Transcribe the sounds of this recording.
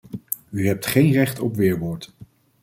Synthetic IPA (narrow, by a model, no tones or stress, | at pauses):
yɦɛp̚tχejnrɛχtɔpʋɪːɹʋʊːɹt